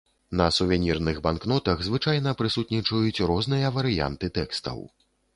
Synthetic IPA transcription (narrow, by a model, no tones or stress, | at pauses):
nɐsuvʲɛnʲirnɨɣbanknɔt̪ɐɣzvɨt͡ʂajnɐpɾɨsut̪nʲit͡ʂɐjut͡sʲrɔznɨjɐvɐɾɨja̰nt̪ɨt̪ɛkst̪ɐ̰w